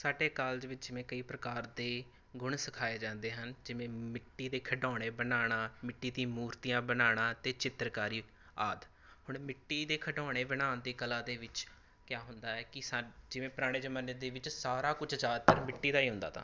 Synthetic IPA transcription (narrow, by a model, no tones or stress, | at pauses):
saːɖeːkaːld͡ʒʋɪt͡ʃd͡ʒɪʋẽːkəiːpɾəkaːɾd̪eː | ɡʊɳsəkʰaːeːd͡ʒãːnd̪eːɦənd͡ʒɪʋẽːmɪʈːiːd̪eːkʰəɖɔːɽ̃eːbənaːɽ̃ãːmɪʈːiːd̪ĩːmuːɾt̪ijãːbənaːɽ̃ãːt̪eːt͡ʃɪt̪ɾkaːɾiː | aːd̪ | hʊɳmɪʈːiːd̪eːkʰəɖɔːɽ̃eːbɪnãːnd̪eːkəlãːd̪eːʋɪt͡ʃ | kjaːɦʊnd̪aːɛːkɪsad͡ʒɪʋẽːpɾaːɽ̃eːd͡ʒəmənːeːd̪eːʋɪt͡ʃsaːɾaːkʊt͡ʃʰzaːd̪t̪əɾmɪʈːiːd̪aːiːɦʊ̃nd̪aːt̪ʰa̰ː